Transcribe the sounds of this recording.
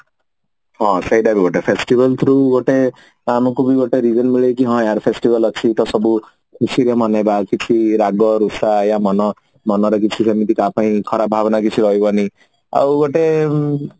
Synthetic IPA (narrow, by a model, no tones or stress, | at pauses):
hɔ̃sejɖabiɡoʈepʰesʈibɔlt̪ʰɾuɡoʈe | amɔkubiɡoʈeɾid͡ʒɔnmiɭekiɦɔ̃jaɾpʰesʈibɔlɔt͡ʃʰit̪ɔsɔbu | kʰusiɾemɔnabakit͡ʃʰiɾaɡɔɾusajamɔnɔ | mɔnɔɾɔkit͡ʃʰisemit̪ikapãĩkʰɔɾabʱabɔnak̬it͡ʃʰiɾɔɦibɔni | a̰wɡoʈe